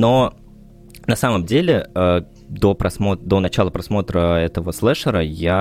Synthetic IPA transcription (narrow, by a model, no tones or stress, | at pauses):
no | nɐsaməmdʲelʲɪə | d̪opɾɐsmod̪o̞nɐt͡ɕalˠəpɾɐsmo̞t̪ɾəɛt̪əvəslˠɛʂəɾəja